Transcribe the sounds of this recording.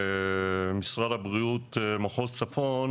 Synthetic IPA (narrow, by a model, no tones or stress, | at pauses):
misʁad̪abʁijut̪maχot͡safon